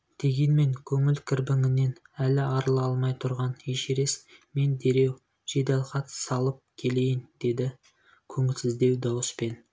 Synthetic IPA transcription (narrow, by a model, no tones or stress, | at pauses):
d̪̥e̞ɡʲe̞nme̞ŋkʲʰɵŋɪlkʲʰɪɾbɪŋɪne̞n | ælɪɑɾəlˠɑlˠmɑjt̪ʰʊɾʁɑneʃeɾe̞sme̞nd̪e̞ɾe̞w | ʒ̥e̞d̪ɑlˠqɑt̪sɑlˠəp̚kʲʰe̞le̞jɪnd̪̥e̞d̪ɪ | kʲʰɵŋɪlsɪzd̪e̞wd̪ɑwəspe̞n